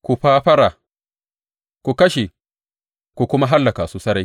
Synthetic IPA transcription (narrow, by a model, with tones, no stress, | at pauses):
ku˨ɸaː˦ɸɐ˦ɾa˨ | ku˨kɐ˦ʃe˨ | ku˨kʊ˦ma˦ɦa˦lːɐ˨ka˨su˦sɐ˦ɾa˦j